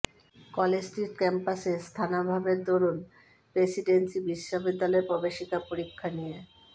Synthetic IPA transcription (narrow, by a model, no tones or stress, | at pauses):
kɔlessʈiʈkɛmpasest̪ʰanabʱabeɾd̪oɾon | pɾesiɖensibiʃːobid̪ːalɔeɾpɔbeʃikapoɾikʰːanije